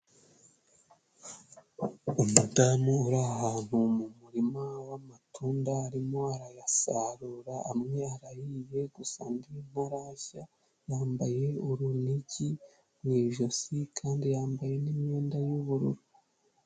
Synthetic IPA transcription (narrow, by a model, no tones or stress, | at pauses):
umudamuuɾahaːn̥humumuɾimawamatʰuːndaːɾimo̞aɾajasaːɾuːɾaʔamŋe̞aɾajije̞ɡusa̰ndim̥oɾaça | jaːmbaje̞uɾuniɟi | mwiːʒo̞sikʰaːndijaːmbaje̞nimɲe̞ːndajuβuɾṵɾu